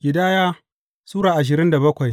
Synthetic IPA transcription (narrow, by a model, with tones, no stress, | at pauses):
ɡʲɪ˨daː˦jaː˦ | suː˦ɽaː˨ʔa˨ʃ̬ɪ˨ɾɪ˦nda˨bɐ˦kʷa˨j